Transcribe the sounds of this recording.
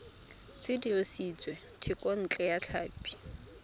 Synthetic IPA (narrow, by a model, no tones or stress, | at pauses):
sɪdiresit͡sʼwɛ | tʰɪkʼɔn̩t͡ɬʼɛjat͡ɬʰaːpʼi̥